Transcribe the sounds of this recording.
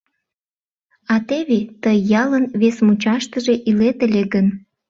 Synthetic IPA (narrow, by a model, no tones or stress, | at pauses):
ɑt̪eβet̪əjːɑlənβesmut͡ɕɑʃt̪əʒeʔilet̪əlʲeɡən